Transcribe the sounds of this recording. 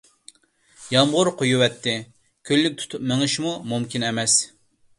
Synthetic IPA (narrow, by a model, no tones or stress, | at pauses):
jɑmʁʊɾqʰojuwɛt̪ʰːɪ | kʲʰølːyk̚ʲt̪ʰu̥t̪ʰupmeŋɨʃmumumkʲinɛmɛs